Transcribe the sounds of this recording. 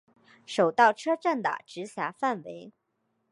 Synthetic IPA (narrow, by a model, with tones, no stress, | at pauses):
ʂo˨˩ʊt̪ɑ˥˩ʊʈ͡ʂʰɤ˥ʈ͡ʂa˥˩nt̪a̰˨˩ʈ͡ʂɻ̩˧˥ɕja˧˥fa˥˩nwe˧˥ɪ